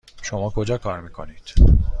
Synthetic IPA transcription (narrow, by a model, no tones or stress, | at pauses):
ʃomɒːkʰod͡ʒɒːkʰɒːɾmiːkʰo̞̰niːd̪̥